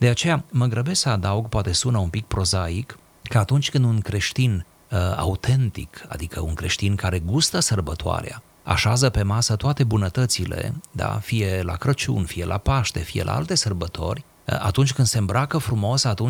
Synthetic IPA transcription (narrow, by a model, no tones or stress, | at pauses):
d̪e̞at͡ʃe̞jaməɡɾəbessəad̪auɡpoat̪e̞sunəumpik̚pɾo̞zaikː | əat̪unt͡ʃʲkɨnd̪unkɾe̞ʃt̪in | a̰ut̪ʰe̞nt̪ḭka̰d̪ikəuŋkɾe̞ʃt̪inkaɾe̞ɡust̪əsərbət̪oa̰ɾea̰ | a̰ʃazəpe̞masət̪oat̪e̞bunət̪ət̪sile̞̰d̪a̰fije̞la̰kɾət͡ʃṵnfije̞̰lʔa̰paʃt̪e̞fije̞̰lʔa̰a̰lt̪e̞sərbət̪ʰo̞̰rʲ | a̰t̪unt͡ʃʲkɨnd̪se̞mbɾakəfɾumo̞sat̪un